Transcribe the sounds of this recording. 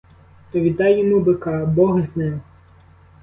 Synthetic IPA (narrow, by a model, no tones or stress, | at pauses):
t̪ɔʋʲid̪ɑjːɔmubɪkɑbɔɦznɛw